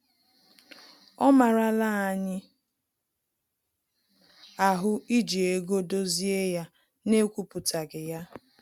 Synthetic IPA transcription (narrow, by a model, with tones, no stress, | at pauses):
ɔ˦ma˨ɾa˦˨la˦a˨ɲɪ˦ | a˨ɦʊ˦i˦d͡ʒi˨e˨ɡo˦do˦zi˦e˦ja˦ | ne˦kʷu˦pʊ˨ta˨ɡɪ˨ja˦